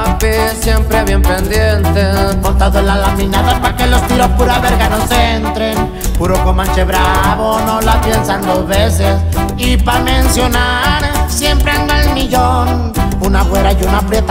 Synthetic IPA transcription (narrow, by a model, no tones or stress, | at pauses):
pesjempɾeβjempend̪jent̪ekont̪aðoenlalamĩnaðapakelo̞st̪iɾospuɾaβeɾɣanoseent̪ɾen | puɾokomant͡ʃeβɾaβonolapjensand̪ozβeses | ipame̞nsjo̞na | ɾsje̞mpɾeand̪aelmiʝon | unafweɾajunapɾjet̪a